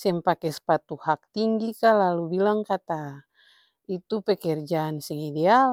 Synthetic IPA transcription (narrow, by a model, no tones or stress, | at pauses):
sɛmpakɛsə̥pat̪uhak̚t̪iŋɡikalalubilaŋkat̪a | it̪upɛkɛrd͡ʒaːnsɛŋidɛal